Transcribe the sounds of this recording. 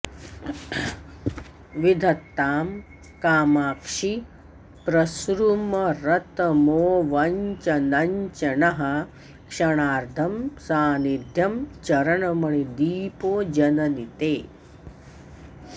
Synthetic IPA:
ʋid̪ʱɐt̪ːaːm | kaːmaːkʂi | pɾɐsɾumɐɾɐt̪ɐmoːʋɐɲt͡ʃɐnɐɲt͡ʃɐnɐɦɐ | kʂɐɳaːɾd̪ʱɐmsaːnid̪ʱjɐmt͡ʃɐɾɐɳɐmɐɳid̪iːpoːd͡ʒɐnɐnit̪eː

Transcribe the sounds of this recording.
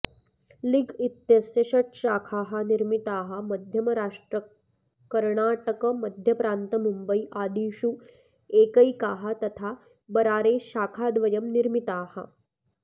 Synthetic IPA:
liɡit̪jɐsjɐʃɐʈʃaːkʰaːɦɐ̆niɾmit̪aːɦɐ̆mɐd̪ʱjɐmɐɾaːʂʈɾɐ | kɐɾɳaːʈɐkɐmɐd̪ʱjɐpɾaːnt̪ɐmumbɐiʔaːd̪iːʃu | eːkɐikaːɦɐt̪ɐt̪ʰaː | bɐɾaːɾeːʃaːkʰaːd̪ʋɐjɐmniɾmit̪aːhɐ̰

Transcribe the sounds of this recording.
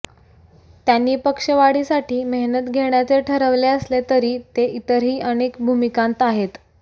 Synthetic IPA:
t̪janːiːpəkʂəʋaɽiːsaʈʰiːməɦnət̪ɡʱeɳjat͡seʈʰəɾəʋleəslet̪əɾiːt̪eʔit̪əɾɦiːʔəñekbʱumikãnt̪aɦet̪

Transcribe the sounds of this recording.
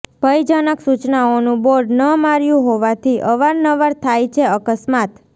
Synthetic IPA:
b̥ʱəjd͡ʒanəksut͡ʃnaonũboɾɖnəmaɾjũɦoʋat̪ʰiʔəʋaɾnəʋaɾt̪ʰajt͡ʃʰeəkəsmat̪

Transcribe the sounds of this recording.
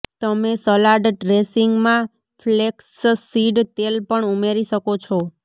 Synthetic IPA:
t̪əmesəlaɖɖɾesiŋɡmã | fʰlekssiɖt̪elpəɳumeɾiʃəkot͡ʃʰo

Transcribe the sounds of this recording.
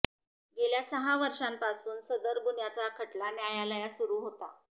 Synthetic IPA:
ɡeljasəɦaʋəɾʂampasuːnsəd̪əɾɡunjat͡sakʰəʈlanjajaləjasuɾuːɦot̪a

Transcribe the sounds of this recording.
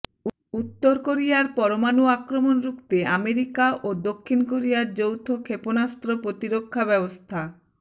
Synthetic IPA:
ut̪ːoɾkoɾijaɾpɔɾomanuakɾomonɾukt̪eameɾikaʔod̪okʰːinkoɾijaɾd͡ʑowt̪ʰokʰeponast̪ɾopɾot̪iɾokʰːabɛbost̪ʰa

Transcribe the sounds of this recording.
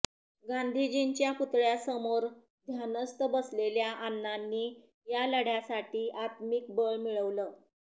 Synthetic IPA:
ɡãnd̪ʱid͡ʑint͡ɕjaput̪ɭjasəmoɾ | d̪ʱjanəst̪əbəsleljaʔanːanːiː | jaləɽ̤jasaʈiːʔat̪miːk̚bəɭmiɭəʋləː

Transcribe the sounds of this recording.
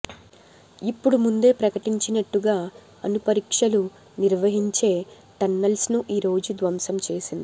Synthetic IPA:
ipːuɽumund̪e̞ːpɾɐkɐʈiɲt͡ʃinɐʈːuɡaː | ɐnupɐɾiːkʂɐlu | niɾʋɐɦiɲt͡ʃe̞ː | ʈɐnːɐlsnuʔiːɾo̞ːd͡ʒud̪ʋɐmsɐmt͡ʃe̞ːsind̪i

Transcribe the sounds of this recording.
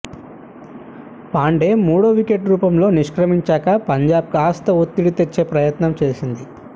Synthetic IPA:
paːɳɖe̞ːmuːɽoːʋike̞ʈɾuːpɐmlo̞ːniʂkɾɐmiɲt͡ʃaːkɐpɐɲd͡ʒaːb̚kaːst̪ɐot̪ːiɽit̪et͡ʃːe̞ːpɾɐjɐt̪nɐmt͡ʃeːsind̪i

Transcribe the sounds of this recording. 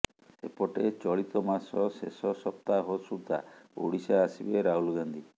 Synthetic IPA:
epɔʈet͡ʃɔɽit̪ɔmasɔsesɔsɔp̚t̪aɦosuɾt̪a̰o̰ɽisaːsibeɾaɦulɡand̪ʱi

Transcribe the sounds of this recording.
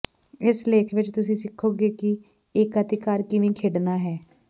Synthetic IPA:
ɪsleːkʰʋɪt͡ʃt̪ʊsĩːsɪkʰːoːɡeːkɪ | ɪkət̪ɪkaːɾkɪʋĩːkʰeːɖnaːɦɛː

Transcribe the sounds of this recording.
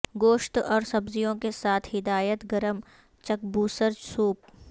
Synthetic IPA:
ɡoːʃt̪ɔːɾsɐbzijõkesaːt̪ʰɦɪd̪aːjət̪ɡɐɾəm | t͡ʃɐk̚buːsəɾd͡ʒsuːp̚

